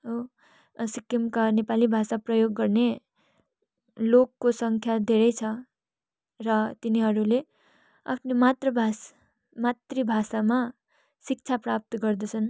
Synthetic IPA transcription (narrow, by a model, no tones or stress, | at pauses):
o | sikːimkanepalibʱasaprʌjoɡːʌrne | lokːosʌŋkʰjad̪ʱeɾʌjt͡sʰʌ | rʌt̪iniɦʌɾule | a̰pʰnemat̪rʌbʱas | mat̪ribʱasama | sik̚t͡sʰaprap̚t̪ʌɡʌrd̪ʌt͡sʰʌn